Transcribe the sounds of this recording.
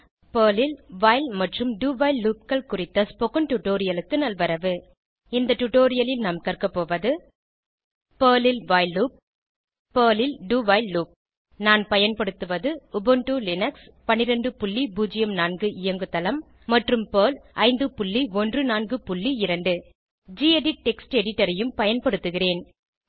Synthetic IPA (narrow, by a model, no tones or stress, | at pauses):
poːlɪlʋaːɪlmɐʈrɯmɖuːʋɐɪlːuːp̚kɐɭkʊrɪt̪ːɐspɔkɯnʈʊʈːoːɾɪjɐlɯkːɯnɐlʋɐɾɐʋɯ | ɪnd̪ɐʈuʈoːɾɪjɐlɪlnaːmkɐrkɐpːoːʋɐðɯ | peːlɪlʋaːɪlːuːp̚ː | oːlɪlɖuːʋɐːɪlːuːp̚ | naːnpɐjɐnpɐɽɯt̪ːɯʋɐðɯʊbɯɳʈulɪnɐks | pɐnːɪɾɐɳɖɯpʊɭːibuːd͡ʒɪjɐmnaːnɡɯʔɪjɐŋɡɯt̪ːɐlɐmː | ɐʈrɯmpoːlɐɪnd̪ɯpʊɭːiɔndrɯnaːnɡɯpʊɭːiɪɾɐɳɖɯ | d͡ʒiɛɖɪʈ̚ʈɛksʈɛɽɪʈːɐɾɐjɯmpɐjɐnpɐɽɯt̪ːɯɣɪreːn